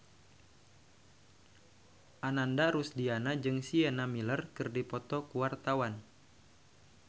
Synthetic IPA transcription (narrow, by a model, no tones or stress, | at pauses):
ʔanandaɾusdianad͡ʒɨŋsiɛnamilərkɨrdipɔt̪ɔkuwart̪awan